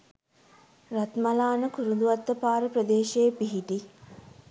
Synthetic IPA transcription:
rat̪malaːnəkuɾund̪uʋat̪ːəpaːɾəprəd̪eːʃejepiɦiʈi

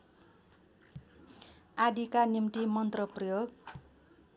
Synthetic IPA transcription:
ad̪ikanimʈimʌnt̪rʌprʌjoɡ̚

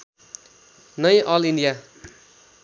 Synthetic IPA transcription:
nʌjʔʌliɳɖija

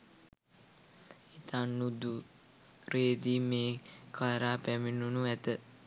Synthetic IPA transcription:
it̪anːud̪u | ɾeːd̪iːmeːkʰajɾaːpæminunuæt̪ə

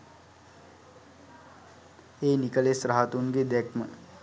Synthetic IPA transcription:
eːnikəlesɾaɦat̪uŋɡed̪ɛkmə

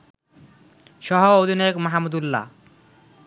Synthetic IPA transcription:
ʃɔɦood̪ʱinajekmaɦamːud̪ulːa̰

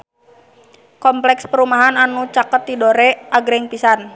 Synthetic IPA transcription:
kɔmplɛkspəɾumaɦananut͡ʃakət̪̚didoɾɛʔaɡɾɛŋpisan

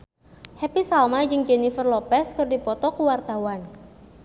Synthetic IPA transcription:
hɛpisalmad͡ʒɨŋd͡ʒɛnifərlɔpɛskɨrdipɔt̪ɔkuwart̪awan

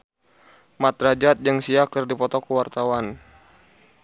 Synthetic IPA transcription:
mat̪ɾad͡ʒat̪̚d͡ʒɨŋsiakərdipɔt̪ɔkəwart̪awan

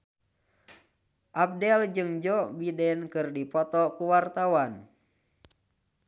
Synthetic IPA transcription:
ʔab̚dɛld͡ʒɨŋd͡ʒɔbidɛnkɨrdipɔt̪ɔkuwart̪awan

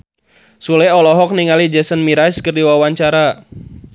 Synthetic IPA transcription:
sulɛɔlɔɦɔk̚niŋalid͡ʒɛsənmiɾaskərdiwawaɲt͡ʃaɾa

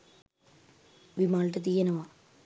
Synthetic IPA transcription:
ʋimaːɭʈɐt̪̬ijɐnɐma

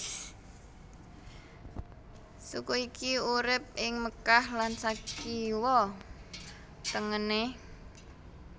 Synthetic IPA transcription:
sukoikiuɾɪp̚ɪŋməkahlansakiwɔ | t̪əŋəne

